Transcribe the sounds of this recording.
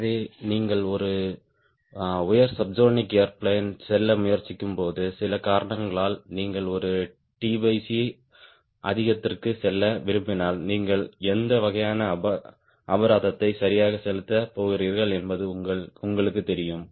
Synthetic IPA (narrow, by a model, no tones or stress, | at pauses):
ðeːniːŋɡɐɭɔɾɯ | ʊjɐɾsɐb̚d͡ʒoːnɪkeːɐɾpɭeːnsɛlːɐmʊjɐɾt͡ʃːɪkːɯmpoːðɯsɪlɐkaːɾɐɳɐŋɡɐɭaːlniːŋɡɐɭɔɾɯ | ʈiːbɐɪsi | ʔɐðɪɣɐt̪ːɪrkɯsɛlːɐʋɪɾɯmbɪnaːlniːŋɡɐɭɛnd̪ɐʋɐɣɐjaːnɐɐ | ɐbɐɾaːðɐt̪ːɐɪsɐɾɪjaːɣɐsɛlɯt̪ːɐpoːɣɪɾiːɾɣɐɭɛnbɐðɯʊŋɡɐɭʊŋɡɐɭɯkːɯt̪ːɛɾɪjɯm